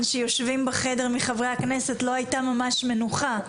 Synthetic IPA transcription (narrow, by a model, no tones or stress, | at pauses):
nʃejo̞ʃvimbeχe̞de̞ʁmiχavʁehakne̞se̞tlo̞ajtamamaʃme̞nuχa